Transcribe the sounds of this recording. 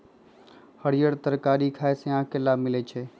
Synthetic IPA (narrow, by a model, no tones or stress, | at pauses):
həɽijəɽt̪əɾkaːɾikʰaːesẽãkelamɪlɛt͡ʃʰɛː